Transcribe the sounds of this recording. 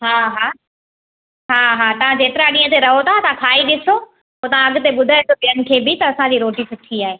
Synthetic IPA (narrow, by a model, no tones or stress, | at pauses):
ɦaːɦaː | ɦaːɦaːt̪ɐʋ̤ãd͡ʑeːt̪ɪɾaɗĩːɦə̃t̪eɾɐɦot̪ʰat̪ɐʋãkʰaːiɗɪso | poːt̪ɐʋ̤ãɐɡʊ̆t̪eɓʊd̪ʱaet̪opiənɪ̆kʰeːbɪt̪ɐɐsãd͡ʑiːɾoːʈisʊʈʰiaːɦeː